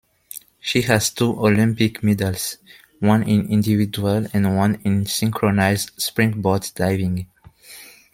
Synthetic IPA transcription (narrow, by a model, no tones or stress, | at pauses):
ʃihæz̥tʰuʔɔlĩmpikmidəlˠs | wʌ̃nĩnĩndivid͡ʒuəlɛ̃nwʌ̃nĩnsɪ̃ŋkʰɹɔnaɪzspɹɪ̃ŋbɔdd̥ajvĩŋ